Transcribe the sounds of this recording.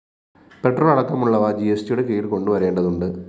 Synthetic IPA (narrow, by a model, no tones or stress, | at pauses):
pe̞ʈːroːɭɐɽɐkːɐmuɭːɐʋɐd͡ʑiestijuɽekejiɽko̞ɳɖuʋɐɾe̞ːɳɖɐðuɳɖɨ